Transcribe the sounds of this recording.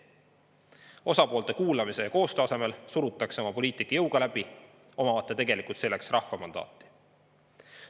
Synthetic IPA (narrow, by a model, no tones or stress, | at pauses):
o̞sɑpo̞ːlt̪e̞kuːlɑmise̞jɑko̞ːst̪øɑse̞me̞lsuɾut̪ːˑɑkseo̞mɑpo̞liːt̪ˑikːˑɑjɤwɡ̥ɑlæb̥i | o̞mɑvɑt̪ːˑet̪e̞ɡ̥e̞likˑult̪se̞lːe̞ksrʔɑhvɑmɑnd̪̥ɑ̰ːt̪ːˑi̥